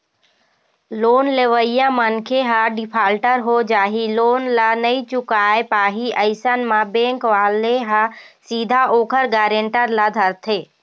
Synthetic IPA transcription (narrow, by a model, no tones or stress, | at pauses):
loːnleʋəɪjãmənkʰeɦəɖɪpʰaːlʈəɾɦod͡ʒaːɦiloːnlanəĩt͡ʃʊkaːepaːɦiəɪsənmãbẽːŋkʋaːleɦasiːd̪ʱaʔoːkʰəɾɡaːɾẽɳʈəɾlad̪ʱəɾt̪ʰeː